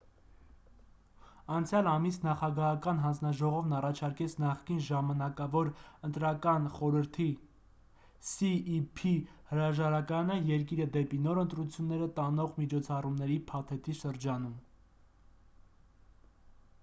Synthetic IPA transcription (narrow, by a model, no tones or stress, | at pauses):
ɑnt͡sʰjɑlɑmisnɑχɑɡɑɦɑkɑnɦɑnd͡znɑʒɔʁɔvnɑrɑt͡ʃʰɑɾkɛt͡sʰnɑχkinʒɑmɑnɑkɑvɔɾənt̪ɾɑkɑnχɔɾəɾt̪ʰi | siipʰihəɾɑʒɑɾɑkɑnəjɛɾk̬iɾəd̪ɛpinɔɾənt̪ɾut͡sʰjunːɛɾət̪ɑnɔʁmit͡ʃʰɔt͡sʰɑrumnɛɾipʰɑt̪ʰɛt̪ʰiʃəɾd͡ʒɑnum